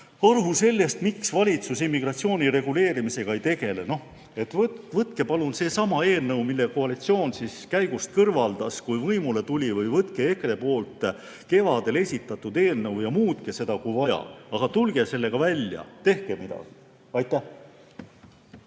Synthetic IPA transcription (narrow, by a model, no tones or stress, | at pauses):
ɑrɦuse̞lʲːe̞st̪miksvɑlʲit̪susimːiɡ̥rɑt̪sio̞ːnʲiɾe̞ɡ̥ule̞ːɾimise̞ɡ̥ɑejt̪e̞ɡ̥e̞leno̞h | e̞t̪ːvvɤt̪ˑke̞pɑlunse̞ːsɑmɑe̞ːlnɤwmilːe̞koɑlit̪sio̞ːnsiskæjɡ̥ust̪̚kɤrvɑld̪̥ɑskujvɤjmule̞t̪ulʲivɤjvɤt̪ke̞ekre̞po̞ːlt̪ˑ | ke̞vɑd̪̥e̞le̞sʲit̪ːˑɑt̪ːˑud̪̥e̞ːlnɤwjɑmuːt̪kese̞d̪ɑkujvɑjɑ̰ɑɡ̥ɑt̪ulɡ̥e̞se̞lːe̞ɡ̥ɑvælʲjɑ̰t̪e̞hkemid̪ɑ̰ɡ̥i̥ | ɑjt̪ˑːæh